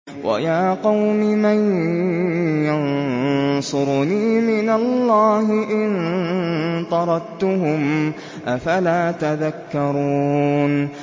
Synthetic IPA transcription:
wa̰jaːqɑwmɪman | jan | sˤʊɾniːmɪnalːɑːɦɪʔɪn | t̪ˤɑɾˤɑt̪ʊɦʊm | ʔafalaːt̪aðakːɑɾˤuːn

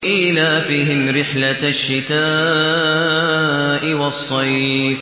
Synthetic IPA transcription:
ʔɪlaːfiːɦɪmɾɪħlaʃːɪt̪aː | ʔɪwɑsˤːɑjf

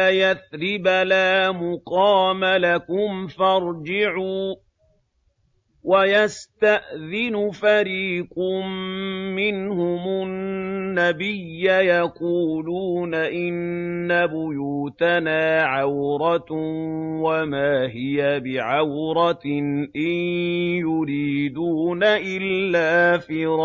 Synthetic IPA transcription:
ajaθɾɪbalaːmʊqɑːmalakʊmfɑɾˤd͡ʒɪʕuː | wajast̪aʔðɪnʊfaɾiːqʊmː | ɪnhʊmʊnːabɪjːajaquːluːnaʔɪnːabʊjuːt̪anaːʕawɾˤɑ | wamaːɦɪjabɪʕawɾˤɑnʔɪnjʊɾiːd̪uːnaʔɪlːaːfiːɾˤɑ

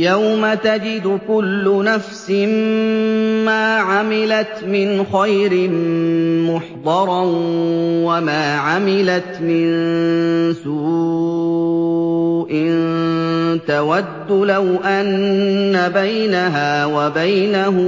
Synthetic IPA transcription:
jawmat̪ad͡ʒɪd̪ʊkʊlːʊnafsɪm | maːʕamɪlat̪mɪnxajɾɪmmʊħd̪ˤɑɾˤ | wamaːʕamɪlat̪mɪn | suː | ʔɪn | t̪awad̪ːʊlawʔanːabajnaɦaːwabajnaɦʊ

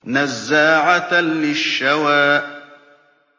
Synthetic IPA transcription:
nazːaːʕat̪lɪʃːawaːʔ

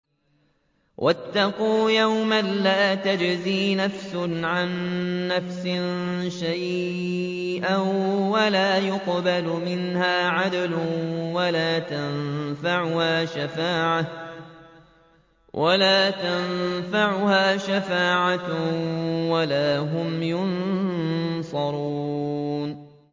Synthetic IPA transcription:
wʔat̪ːɑquːjawmanlaːt̪ad͡ʒziːnafsʊnʕanːafsɪnʃaj | ʔawalaːjʊqbalʊmɪnhaːʕad̪lʊwalaːt̪anfaʕʊhaːʃafaːʕa | wʔalaːt̪anfaʕʊhaːʃafaːʕa | walaːɦʊmjʊn | sˤɑɾˤu | n

